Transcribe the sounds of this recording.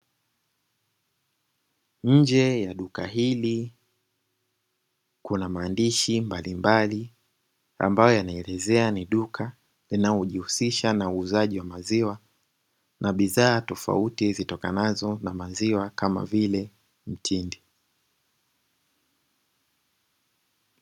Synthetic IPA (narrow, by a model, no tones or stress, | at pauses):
ɲ̩d͡ʒɛjaɗukaɦili | kunamaːndiʃimbalimbali | a̰mbajɔjanaɛlɛzɛaniɗukʰa | linalɔʄihusiʃanauːzaʄiwamaziwa | nʔaɓiðaːtɔfa̰utizitɔka̰nazɔnamaziwakama̰vilɛ | m̩tʰindi